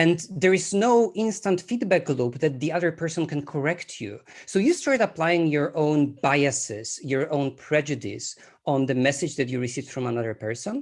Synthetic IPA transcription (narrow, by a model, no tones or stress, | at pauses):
ɛ̃nd̪ɛɹɪznowɪ̃nstãnt̪fid̪bɛk̚ɡlupðɛt̪̚d̪iaðəɹpʰɛɹsɔ̃nkɛ̃nkʰɔɹɛktʰjṵsowjustaɹt̪aplajɪ̃ŋjɔɹʔõwnbajasɪsjɔɹõʊ̃npʰɹɛd͡ʒudḭs | ɔ̃nd̪əmɛsɪd͡ʒd̪ɛtjuɹisivfɹɔ̃manaðə˞pɛɹsɔ̃n